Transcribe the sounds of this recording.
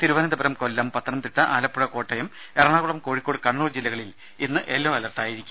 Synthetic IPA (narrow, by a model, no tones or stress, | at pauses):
t̪iɾuʋɐnɐd̪ɐbɐɾɐmko̞lːɐmpɐt̪ʰːɐnɐmt̪iʈːɐʔaːlɐpːuɻɐko̞ːʈːɐjɐm | erɐɳaːɣuɽɐmko̞ːɻikːoːɽɨkɐɳːuːrd͡ʑilːɐɣɐɭil | inːɨʔe̞lːoːɐlɐrʈːaːjiɾikʲːum